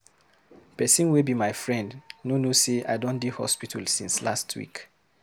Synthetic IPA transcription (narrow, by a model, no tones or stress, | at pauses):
pɛsĩnwibimaɪfɹɛ̃ndnonosea̰ɪdɔ̃ndihɔ̰spitʰalsĩnslastʰwḭk